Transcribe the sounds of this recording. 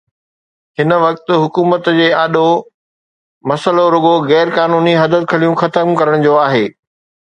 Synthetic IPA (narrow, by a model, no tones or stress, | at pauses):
hɪnə̆ʋɐk̚t̪ʊ̆ɦʊkuːmət̪d͡ʑeːaːɗo | mɐsəloɾʊɡoɣɛːɾkaːnuːniɦɐd̪ət̪̚kʰɐlijũxɐt̪əmkɐɾəɽ̃d͡ʑoːaːɦeː